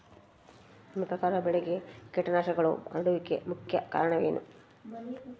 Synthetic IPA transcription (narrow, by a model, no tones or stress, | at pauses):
mikɐkaːɾɐbɛɭeɡekeʈːɐnaːʃɐɡɐɭṵɐɽuʋikːḛmukʰjɐka̰ːɾɐɳɐʋeːnṵ